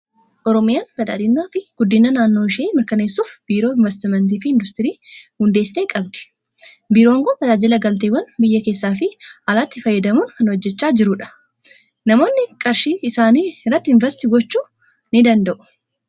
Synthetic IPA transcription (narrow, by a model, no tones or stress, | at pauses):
ʔɔɾɔmɪjaːnfɐt̪a̰ːd̪ɪnːaːfɪɡ̥ʊd̪ːɪnːɐnaːnːo̞ːɪʃeːmɪɾkɐne̞ːsːuːfb̥iːɾoːɪɱvɛs̬t̪ɪmɛnt̪̬iːfɪɪnd̪ʊst̪ɪɾiːhʊnd̪e̞ːsːɪt̪eːkʼɐb̚d̪ɪ̥ | biːɾoːɐŋɡoːfɐd̪aːd͡ʒɪlɐɡɐlt̪̬eːwɐnbɪjːɐke̞ːsːaːfɪɐlaːt̪ːɪfɐjːɐd̪ɐmuːnkɐnhɔd͡ʒːɛt͡ʃːaːd͡ʒɪɾʊᶑɐ̥ | nɐmo̞ːnːɪkʼɐɾʃiːɪsaːniːɪrːɐt̪ːɪɪɱvɛsɪt̪ɪɡɔt͡ʃːuː | nɪd̪ɐnd̪ɐʔʊ̥